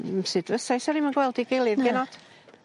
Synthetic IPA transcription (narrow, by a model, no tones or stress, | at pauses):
sɨdvəsajsɛɾimənɡwɛlˠdiɡejlˠɨðɡɛnɔd̥